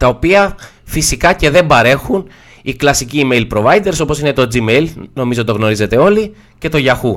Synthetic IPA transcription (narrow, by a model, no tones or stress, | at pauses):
t̪ɐo̞piɐ | fisikɐce̞ðe̞mbɐɾe̞xun | iklɐsiciːme̞jlpɾo̞vɐjd̪e̞ɾso̞posinet̪o̞d͡zimejlno̞mizot̪o̞ɣno̞ɾize̞t̪e̞o̞li | ce̞t̪o̞ʝɐxu